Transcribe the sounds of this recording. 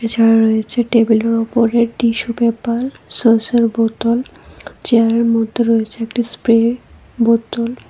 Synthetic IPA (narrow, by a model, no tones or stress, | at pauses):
et͡ɕʰaɾaɾojet͡ɕʰeʈebileɾɔpoɾeɾɖiʃubɛpaɾsoseɾbot̪olt͡ɕeaɾeɾmɔd̪ʱːoɾoet͡ɕʰeek̚ʈispɾe | bot̪ol